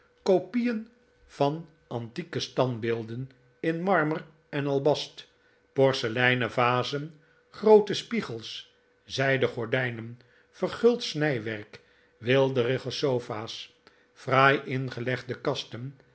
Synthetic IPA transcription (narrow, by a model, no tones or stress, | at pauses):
kopijən | v̥ɑn | ɑntikəstɑnbɪːlˠdən | ɪnmɑɹmər | ɛnɑlˠbɑst | pɔɹsəlɛjnəvaːzən | χrowtəspiχəlˠs | zɛjdəχɔɹdɛjnən | fərχɵlˠtsnɛjʋɛɹk | ʋɪlˠdərɪχosowfaːs | fraːjʔɪnχəlɛχdəkɑstən